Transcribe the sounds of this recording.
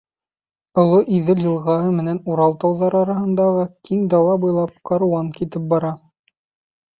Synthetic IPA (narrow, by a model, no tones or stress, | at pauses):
ŏlˠoʔiðɘljɤ̆lˠʁɑɦɤmɘ̆nænuɾɑlˠt̪ɑwðɑɾɑɾɑɦɤ̆nd̪ɑʁɤkiŋd̪ɑlˠɑbujlˠɑp̚qɑɾuɑŋkit̪ɘp̚bɑɾɑ